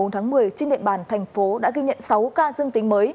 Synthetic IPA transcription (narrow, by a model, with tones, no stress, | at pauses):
o˨˦nt̪ʰaː˨˦ŋmɨ˨˩əjt͡ɕe˧nɗḭ˧˨əɓaː˧˩nt̪ʰɛ˨˩jŋ̟fo˨˦ɗa̰ː˧˥ɣi˧ɲə̰˧˨nsa˨˦wkaː˧zɨ˧əŋt̪ï˨˦ŋ̟məː˨˦j